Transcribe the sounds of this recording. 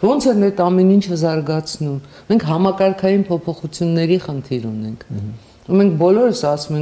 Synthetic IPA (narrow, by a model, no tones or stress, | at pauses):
vɔnt͡sʰɛnɛt̪ɑmɛnint͡ʃʰəzɑɾɡɑt͡sʰnum | mɛŋkʰɦɑmɑkɑɾkʰɑjinpʰɔpʰɔχut͡sʰjunːɛɾiχənt̪ʰiɾunɛŋkʰ | umɛŋkʰbɔlɔɾəsɑsumɛŋ